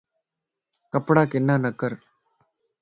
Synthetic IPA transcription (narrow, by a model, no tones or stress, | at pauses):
kɐpːɽaːkɪnːaːnɐkːɐɾ